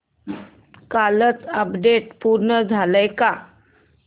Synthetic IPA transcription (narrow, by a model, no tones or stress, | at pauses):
kalət͡səpɖeʈ̚puɾɳəd͡zʱaləjka